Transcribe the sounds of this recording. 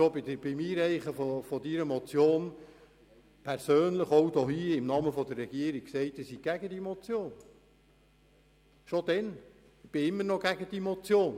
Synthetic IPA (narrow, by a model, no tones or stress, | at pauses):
ʃobɪd̪əb̥ɪmiːɾɛɪχəfofɔd̪iɾəmɔt͡sjoːn | pʰæɾsøːnləχɔwdohiːɪmnɑməfɔd̪ərːɛɡ̥iəɾi̥ksɛɪt̪ɪsiɡ̥æɡəd̥̪imɔt͡sjoːn | ʃod̥̪ɛn | b̥ɪɪmːənɔɡ̥æɡ̥əd̥imɔt͡sjoːn